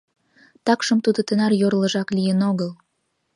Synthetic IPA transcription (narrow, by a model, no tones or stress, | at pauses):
t̪ɑkʃəmt̪ud̪ot̪ə̆nɑrjoɾlə̆ʒɑklijənoɣəl